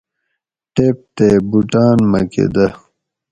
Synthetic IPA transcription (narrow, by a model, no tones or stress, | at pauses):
ʈeːp̚t̪eːbuʈaːnmɐ̰kḛd̪ɐ